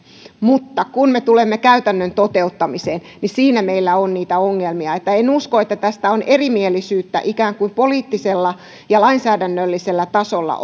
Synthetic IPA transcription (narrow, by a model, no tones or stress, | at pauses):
mut̪ːɑkunmet̪ulemːekæyt̪ænːønt̪ot̪e̞ut̪ːɑmiseːn | nisiːnæmeilːæonniːt̪æoŋːelmiɑet̪ːæenuskoet̪ːæt̪æst̪æonʔerimielːˑisyːt̪ːæ̰ʔikæːŋkuimpoliːt̪ːiselːɑ | jɑlɑinsæːdænːølːiselːæt̪ɑsolːɑ̰